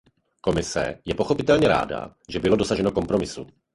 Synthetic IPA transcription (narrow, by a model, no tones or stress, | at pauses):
ko̞mɪsɛ̰jɛpo̞xo̞pɪt̪ɛlɲɛɾa̰ːda̰ʒɛbɪlo̞do̞saʒɛno̞ko̞mpɾo̞mɪsṵ